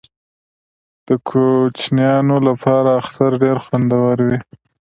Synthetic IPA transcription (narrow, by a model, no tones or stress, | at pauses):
d̪̥əkʰot͡ʃnjɑnolapʰɑɾaːxt̪aɾɖeɾxwand̪awaɾwi